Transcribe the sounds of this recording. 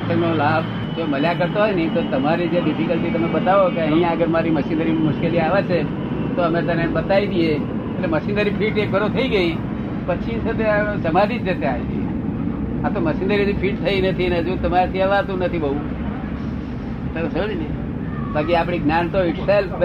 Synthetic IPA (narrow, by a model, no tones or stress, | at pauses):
ənolab | d͡ʒoməljakəɾt̪oɦojnəĩt̪ot̪əmaɾid͡ʒeɖɪfikəlt̪ʰit̪əmebət̪aʋokeə̃ɦĩjaəɡəɾmaɾiməsinəɾimʊʃkeliaʋet͡ʃʰe | t̪oəmet̪ənebət̪aid̪ie | etleməsinəɾipʰiʈek̚ɡʱəɾot̪ʰəiɡəi | pət͡ʃʰisət̪easəmad͡ʒid͡ʒd͡ʒət̪eaet̪ḭ | at̪oməsinəɾinipʰiʈ̚t̪ʰəinət̪ʰinəd͡ʒũt̪əmaɾet̪ʰiaʋat̪ũnət̪ʰibəɦũ | t̪əɾesəd͡ʒnəi | bʱakiapɽ̃iɡnant̪oɪʈselp